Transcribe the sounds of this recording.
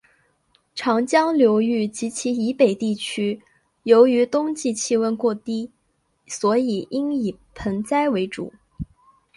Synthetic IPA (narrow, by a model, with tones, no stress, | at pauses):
ʈ͡ʂʰɑ˧˥ŋt͡ɕjɑ˥ŋljo˧˥ʊy˥˩t͡ɕi˧˥t͡ɕʰi˧˥i˧˥pe˨˩ɪt̪i˥˩t͡ɕʰy˥ | jo˧˥ʊy˧˥t̪ʊ˥ŋt͡ɕi˥˧t͡ɕʰi˥˧wə˥˧nkwɔ˥˩t̪i˥ | swɔ˧˥i˨˩i˥ŋi˨˩pʰə˧˥ŋt͡sa˥ɪwe˧˥ɪʈ͡ʂṵ˨˩˦